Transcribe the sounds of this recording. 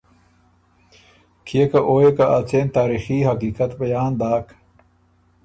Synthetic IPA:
kʰijekɐʔoːjekaʔat͡seːnt̪aːɾiːxiːɦɐkiːkɐt̪bɐjaːnd̪aːk

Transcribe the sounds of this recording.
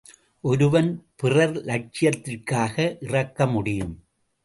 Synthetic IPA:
ʔɔɾɯʋɐnpɪrɐɾlɐʈ̚t͡ʃɪjɐt̪ːɪrkaːɣɐʔɪrɐkːɐmʊɽɪjɯm

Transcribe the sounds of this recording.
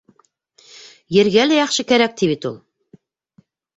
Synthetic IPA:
jɘ̆ɾɡælæjɑχʃɤkæɾæk̚t̪iβit̪ulˠ

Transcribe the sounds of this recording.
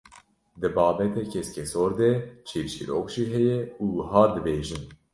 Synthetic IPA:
d̪ɨbɑːbɛt̪ɛkʰɛskʲɛsoːɾd̪ɛt͡ʃʰeːvʃḭɾokʒiɦɛjɛuːhɑːd̪ɨbeːʒɨn

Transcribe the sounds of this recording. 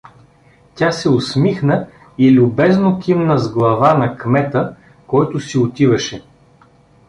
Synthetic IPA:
tʲasɛʊsmixnə | ilʲʊbɛznokʲimnəzɡlˠɐvanɐkmɛt̪ə | kɔjt̪ʊsiot̪ivɐʃɛ

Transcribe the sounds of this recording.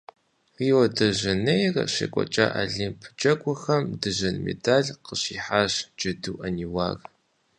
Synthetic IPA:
riːwɐdɐʑɐnejrɐ̰ɕḛkʷʼɔ̰t͡ʃʼa̰ːʔaɮimpʰd͡ʒʼɐkʷʼʊxɐmdɨʑɐnmḛdaːɮqəɕiːħaːɕd͡ʒɐduːʔɐniwa̰ːɣ

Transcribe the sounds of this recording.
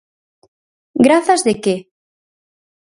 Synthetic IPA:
ɡɾaθazðeke

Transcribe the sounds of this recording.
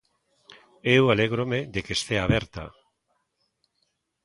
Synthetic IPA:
ewaleɣɾomedekest̪eaβeɾt̪a̰

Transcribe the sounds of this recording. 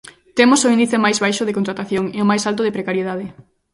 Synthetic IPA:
t̪emosʊind̪iθemajzβajʃoðɪkont̪ɾat̪aθjoŋeomajsalt̪oðepɾekaɾjeðað̞ɪ

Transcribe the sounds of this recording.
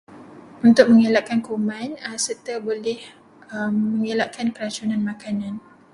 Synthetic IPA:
unt̪ʊk̚mə̃ŋelaʔkankuumãnəsərt̪abolɛh | əːəŋelaʔkankəlat͡ʃunanmãkanãn

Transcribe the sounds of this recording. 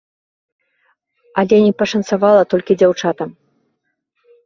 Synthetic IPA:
ɐlʲɛnʲipɐʂɐnt̪savalˠɐt̪ɔlʲkʲid͡zʲawt͡ʂat̪ɐm

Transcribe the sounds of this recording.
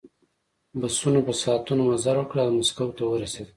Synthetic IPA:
basunopəsɑt̪unomazaɾwəkɽalmaskawt̪awəɾased̪

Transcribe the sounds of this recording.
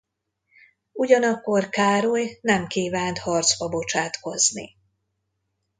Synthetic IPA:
uɟɒnɒkːo̞rkaːɾojnɛmkiːvaːnt̪hɒrt̪zbɒbo̞t͡ʃaːt̪ko̞znḭ

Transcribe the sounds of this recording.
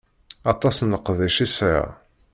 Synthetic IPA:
ɑt̪ˤɑsnəqːðˤiʃisa̰

